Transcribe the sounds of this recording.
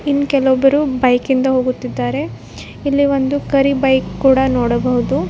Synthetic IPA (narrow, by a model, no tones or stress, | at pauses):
inːkɛlobɐɾubɐjkind̪ɐɦo̞ːɡut̪ːid̪ːaːɾe̞ | ilːiʋo̞nd̪ukɐɾibɐjkːuːɽɐnoːɽɐbɐɦud̪u